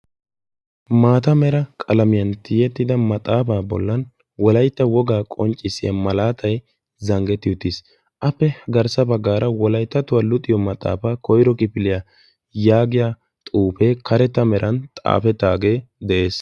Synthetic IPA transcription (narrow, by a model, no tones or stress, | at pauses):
maːt̪ɐmɛɾɐkʼɐlɐmɪjɐnt̪ɪjɛt̪ːɪd̪ɐmɐt̪ʼaːfaːbɔ̰lːɐn | wɔlɐjt̪ːɐwɔɡaːkʼɔnt͡ʃʼɪsɪjɐ̰mɐlaːt̪ʰɐj | zɐŋɡɛt̪ːɪjʊt̪ːɪs | ʔɐpːɛɡɐɾsɐbɐɡːaːɾɐwɔlɐjt̪ːɐt̪ʊwɐlʊt̪ʼɪjɔmɐt̪ʼa̰ːfaːkɔjɾɔkɪpɪlɪja | jaːɡɪjaː | t̪ʼuːpeːkɐɾɛt̪ːɐmɛɾʔɐnt̪ʼa̰ːfɛt̪ːaːɡeːd̪ɛʔe̞ːs